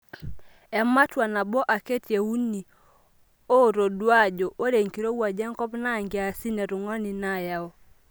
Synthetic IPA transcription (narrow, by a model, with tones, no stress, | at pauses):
ɛ˨ma˦twa˨na˨bɔ˦ʔa˨ke˦tje˨u˦ni˨ | o˦ɾo˨dwa˦d͡ʒɔ˨ʔo˦ɾe˨ŋki˨ɾo˦wa˨d͡ʒɛ˦ŋkɔ˦pna˦ŋɡɪ˨a˨si˦nɛ˨ɾʊ˨ŋɔ˦ni˨na˦˨ja˦ɔ˦